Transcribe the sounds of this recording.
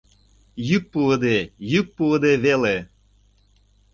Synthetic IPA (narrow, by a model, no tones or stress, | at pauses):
jyk̚puəd̪ejyk̚puəd̪eβele